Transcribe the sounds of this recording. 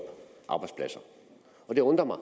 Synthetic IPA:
ʔɑ̈ːbɑ̈ɪdspʰlæsɐ | ɒ̽deɔ̽nd̥ʁɐmɑ̈

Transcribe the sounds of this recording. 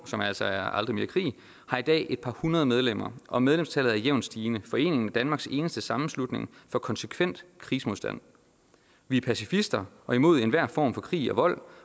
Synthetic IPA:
sɒ̽mæl̰sɒ̽æɐɑ̈ld̥ʁime̝ːɐkʰʁḭː | hɑ̈id̥ɛ̰ːʔe̝d̥pʰɑ̈hunɐð̞ˠəmeð̞ˠlem̰ɐʔɒ̽með̞ˠlemst͡sʰɛlð̩ˠæɐjeʊ̰nsd̥iːnəfɒ̽e̝̰ːne̝ŋn̩æd̥ænmɑ̈ːɡ̥se̝ːnəsd̥əsɑ̈mm̩slud̥ne̝ŋfɒ̽kʰɒ̽nsə̥kʰʋen̰d̥kʰʁiːsəmosd̥æn̰ | ʋiæpʰæsifisd̥ɐʔɒ̽imo̝ð̞̰ˠe̝nʋæɐ̰fɒ̰ːmfɒ̽kʰʁḭːɒ̽ʋɒ̽l̰

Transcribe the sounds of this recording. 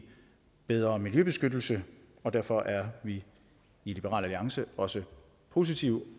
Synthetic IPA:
b̥eð̞ˠʁɐːmiljøb̥e̝sɡ̥ød̥l̩sə | ɒ̽d̥æɐ̰fɒ̽ʔæɐʋiː | lib̥əʁɑ̰ːlæliɑ̈ŋsəɒ̽sə | pʰo̝ːs̬it͡sʰiʊ

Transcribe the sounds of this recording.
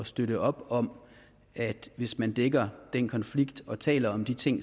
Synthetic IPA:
ɒsd̥øɾəʔɒ̽b̥ɒ̽m | ʔæd̥ʋe̝smænd̥eɡ̥ɐd̥en̰kʰɒ̽nfliɡ̥d̥ɒ̽t͡sʰɛ̰ːlɐɒ̽md̥it͡sʰe̝ŋ̰

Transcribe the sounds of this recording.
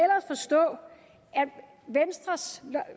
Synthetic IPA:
elɐsfɒ̽sd̥ɔ̰̽ː | æ̥ | ʋensd̥ʁɐs

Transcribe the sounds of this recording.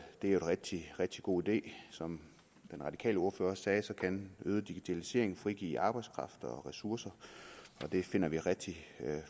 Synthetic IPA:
d̥e̝æɐjoenʁɛɡ̥̚d̥iʁɛɡ̥̚d̥iɡ̥o̝̰ːid̥e̝̰ːsɒ̽m | d̥enʁɑ̈d̥ikʰɛ̰ːləo̝ɐføːɐsɛːsɒ̽kʰænøːð̞ˠəd̥iɡ̥it͡sʰælise̝̰ɐ̰eŋn̩fʁiɡ̥ḭːɑ̈ːb̥ɑ̈ɪskʰʁɑ̈fd̥ɐɒ̽ʁɛsuɐsɐɒ̽d̥e̝fe̝n̰ɐʋiʁɛɡ̥̚d̥i

